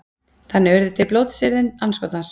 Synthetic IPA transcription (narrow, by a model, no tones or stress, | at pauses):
θanːɪvɛɾðʏt̪ʰɪlploːwt̪sɪɾðɪnanskɔt̪nans